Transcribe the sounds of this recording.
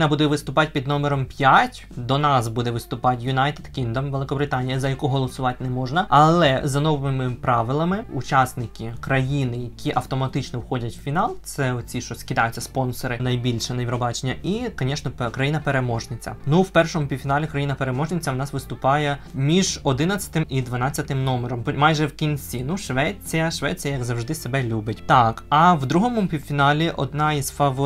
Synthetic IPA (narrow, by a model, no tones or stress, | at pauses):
nɐbud̪ɛʋɪst̪ʊpɑtʲpʲid̪nɔmeɾɔmpʲjatʲ | d̪ɔnɑsbud̪ɛʋɪst̪ʊpɑtʲjʊnajt̪ed̪kʲind̪ɔmʋelˠɪkɔbɾɪt̪ɑnʲːijɐzɐjɐkʊɦɔlˠɔsʊʋɑtʲnɛmɔʒnɐɐlˠɛzɐnɔʋɪmɪpɾɑʋɪlˠɐmɪut͡ʃasnɪkʲikɾɐjinɪjɐkʲiʔɐwt̪ɔmɐt̪ɪt͡ʃnɔwxɔdʲɐtʲwfʲinɑlˠt̪sɛɔt͡sʲiʃt͡ʃɔskʲɪd̪ajʊt͡sʲːɐspɔnsɔɾɪnɐjbʲilʲʃɛnɐʋʲiɾɔbɑt͡ʃenʲːɐʔikɔnʲɛʃnɔkɾɐjinɐpeɾemɔʒnɪt͡sʲːɐ̰nuwpɛrʃɔmʊpʲiwʲfʲinɑlʲikɾɐjinɐpeɾemɔʒnɪt͡sʲːɐwnɑsʋɪst̪ʊpɑjɛmʲiʒɔd̪ɪnɐt͡sʲɐ̥t̪ɪmid̪ʋɐnɑt͡sʲːɐt̪ɪmnɔmeɾɔmmːɑjʒɛwkʲinʲt͡sʲinuʃʋɛt͡sʲijɐʃʋɛ̰t͡sʲijɐjɐɡzɐwʒd̪ɪsebɛlʲubɪtʲt̪ɑkɐwd̪ɾuɦɔmʊpʲiwfʲinɑlʲiʔɔ̰d̪nɑiz̥fɐʋɔ